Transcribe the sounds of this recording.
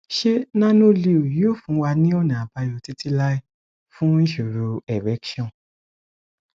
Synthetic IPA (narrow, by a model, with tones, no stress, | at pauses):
ʃe˦nã˦nõ˦li˧o˨jo˦˨fũ˨˦wa˧nĩ˦ɔ˦nã˨a˨ba˧jɔ˧˨ti˦ti˧la˦i˦ | fũ˦ĩ˦ʃu˨ɾo˧ɛ˨ɾɛ˨˦kʃɔ̃˦˨